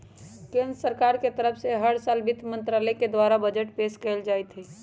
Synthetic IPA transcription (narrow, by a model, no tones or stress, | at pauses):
kẽnd̪ɾəsəɾkaːɾket̪əɾəpʰseɦəɽsaːlbɪt̪mə̃nt̪ɾaːləked̪waːɾabəd͡ʒəʈpeːskəld͡ʒaːɛt̪ɦɛː